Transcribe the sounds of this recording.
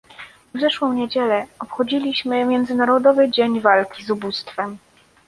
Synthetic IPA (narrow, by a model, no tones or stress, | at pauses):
vzɛʂwɔ̃w̃ɲed͡ʑɛlɛɔpxɔd͡ʑilʲiɕmɘmʲjɛnd̪zɘnaɾɔd̪ɔvɘd͡ʑeɲvalkʲizubust̪fɛm